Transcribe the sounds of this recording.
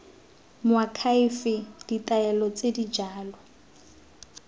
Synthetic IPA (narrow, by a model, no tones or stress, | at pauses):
mʊakʰaifɪd̥itʼaɛlɔt͡sedid͡ʒaːlɔ